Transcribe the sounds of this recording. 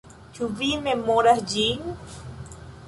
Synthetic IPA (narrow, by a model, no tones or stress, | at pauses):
t͡ʃuβimemoɾasd͡ʒiŋ